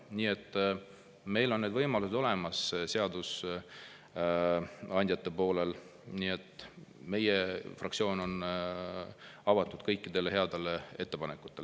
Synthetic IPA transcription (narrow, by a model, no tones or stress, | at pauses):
niːe̞t̪ˑː | me̞jlo̞nːed̪vɤjmɑluse̞d̪o̞le̞mɑsse̞ɑd̪us | ɑnʲd̪jɑt̪ːepo̞ːlel | niːe̞t̪ːˑme̞jefrɑ̰kt̪sʲio̞ːno̞n | ɑvɑt̪ːˑud̪̥̚kɤjkːˑid̪̥e̞leɦeɑd̪e̞lee̞t̪ːe̞pɑnekːˑu̥t̪ːˑel